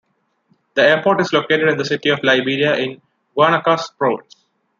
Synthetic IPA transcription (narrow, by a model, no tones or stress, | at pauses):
d̪̥əeːpoːʈɪzloːkeːʈeɖɪ̃nd̪əsɪʈiɔʋlaɪbiːɾiaʔɪ̃n | ɡaːñakaːspɾoːʋɪ̰̃s